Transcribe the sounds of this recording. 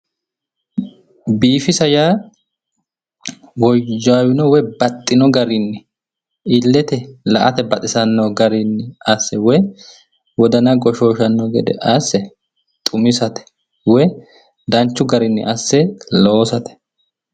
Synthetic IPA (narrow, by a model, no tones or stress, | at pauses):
biːfɪsɐjaː | wɔd͡ʒaːwɪnɔwɛbɐt̪ʼːɪnɔɡɐɾɪnːɪ | ɪlːɛt̪ɛlɐʔɐt̪ɛbɐt̪ʼɪsɐnːoːɡɐɾɪnːɪɐsːɛwɛ | wɔd̪ɐnɐɡɔʃo̞ːʃɐnːɔɡɛd̪ɛ̰ʔɐsːɛ | t̪ʼʊmɪsɐt̪ɛ̥ | wɛ | d̪ɐnt͡ʃːʊɡɐɾɪnːɪ̰ʔɐsːɛloːsɐt̪ɛ̥